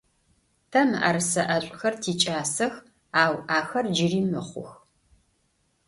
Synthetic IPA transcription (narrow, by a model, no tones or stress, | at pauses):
tʰɐma̰ɾsɐʔɐɕʷʼxɐrtʰiːt͡ʃʼaːsɐx | aːwʔaːxɐrd͡ʒɪriːmɨχʷʊ̰x